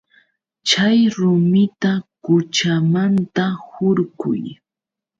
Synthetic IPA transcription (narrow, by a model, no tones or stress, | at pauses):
t͡ʃajɾʊmɪt̪akʊt͡ʃamant̪ahʊɾkʊ̰j